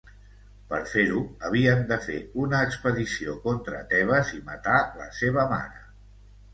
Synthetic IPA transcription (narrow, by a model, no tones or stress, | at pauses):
pəɾfeɾuəβ̞iəmd̪əfḛunəːkspəðisiokɔnt̪ɾə̰t̪ɛβ̞əzimət̪alə̰seβ̞əma̰ɾə